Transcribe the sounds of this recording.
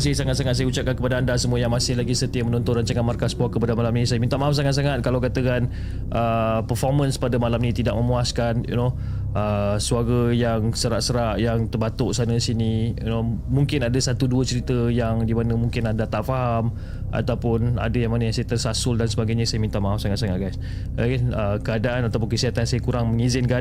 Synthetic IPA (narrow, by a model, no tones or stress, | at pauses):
s̬ɪsaŋat̪saŋat̪̚s̬ajəut͡ʃap̚kankəpadaandasəmuəjaŋmasɪhlaɡisət̪iəmənɔnt̪ʊnɾaɲt͡ʃaŋanmarkaspɔkəpadamalamnisajəmint̪amaɦafs̬aŋat̪̚saŋat̪̚kalawkat̪əkan | ʔəpərfɔrmənspadamalamnit̪idaʔ̚məmuaskanjṵno | ʔəsuaɾəjaŋsəɾaʔsəɾaʔjaŋt̪ərbat̪ʊʔsanəsinijunomuŋkɪnadasat̪uduət͡ʃəɾit̪əjaŋdimanəmuŋkɪnadat̪aʔfaɦam | ʔa̰t̪awpʊna̰dajaŋmanəjaŋsajət̪ərsasʊldansəbaɡajɲəsajəmint̪amaɦafsaŋat̪̚saŋat̪̚ɡajs | aɡaəkəadaʔanat̪awp̬ʊnkəsiɦat̪ansajəkuɾaŋməŋizɪnka